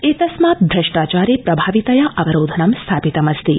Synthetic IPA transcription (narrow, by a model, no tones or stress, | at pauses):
et̪ɐsmap̚d̪ʱɾəʃʈaːt͡ʃaːɾepɾɐbʱaːʋit̪ɐjaʔɐʋɐɾoːd̪ʱənɐmst̪ʰapit̪ɐmɐst̪ḭ